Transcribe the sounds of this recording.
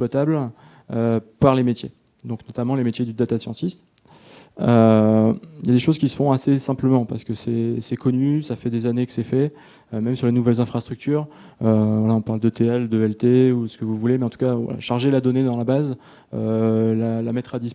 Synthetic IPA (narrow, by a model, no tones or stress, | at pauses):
pwat̪abl | øpaʁlemet̪je | d̪ɔ̃knɔt̪amɑ̃lemet̪jed̪yd̪at̪asjɑ̃t̪ist̪ | ø | jad̪eʃozkʲisə̥fɔ̃asesɛ̃pləmɑ̃paʁsə̥kəsɛsɛkʰɔnysafɛd̪ezanekə̥sɛfɛ | ømɛmsyʁlenuvɛlzɛ̃fχast̪χyk̚t̪yːʁ | øvwalaɔ̃paʁld̪ət̪eɛld̪əɛlt̪eusə̥kəvuvulemɛɑ̃t̪u̥kʲava̰la̰ʃaʁʒelad̪ɔned̪ɑ̃labaz | ølalamɛt̪χad̪is